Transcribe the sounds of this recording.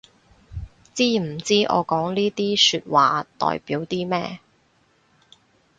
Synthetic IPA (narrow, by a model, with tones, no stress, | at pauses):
t͡siː˥m̩˨˩t͡siː˥ʔɔ̰ː˨˧kɔː˨˥ŋliː˥t̪iː˥syː˧t̚waː˨t̪ɔ̰ː˨˩jpiː˨˥wt̪iː˥mɛː˥